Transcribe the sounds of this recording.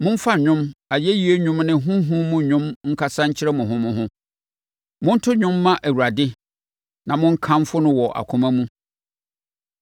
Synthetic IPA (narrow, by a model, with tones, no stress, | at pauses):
mʊ̃˦m̩˦fa˦ɲᶣʊ̃˦ma˨jɛ˦ji˨˦e˦ɲᶣʊ̃˦mnɪ̃˦ɦʊ̃˦ɦʊ̃˦mʊ̃˦ɲʊ̃˦mŋ̩˦kʰa˦sã˦ɲ̩˦t͡ɕʰɪ˦ɾɛ˦mʊ̃˨ɦʊ̃˦mʊ̃˦ɦʊ̃˦ | mʊ̃˦n̩˦tʰʊ˦ɲʊ̃˦mːã˦ʔæ˨wu˨ɾa˨dɪ˦ | nã˨mʊ̃˦ŋ̩˦kʰã˦m˦fʊ˦nʊ̃˦wɔ˨ʔa̰˨kʰʊ̃˦mæ̃˦mũ˦